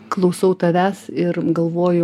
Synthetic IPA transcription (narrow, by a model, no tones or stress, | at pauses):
klˠɐʊsɐʊt̪ɐʋʲæːsɪrɡɐlˠʋoːjʊ